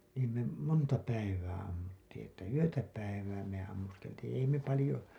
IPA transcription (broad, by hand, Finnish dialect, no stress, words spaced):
niː niːm me montɑ pæiʋæː ɑmːutːiːĩ etːæ yøtæ pæiʋæː me ɑmːuskeltiːĩ ei me pɑlĭjo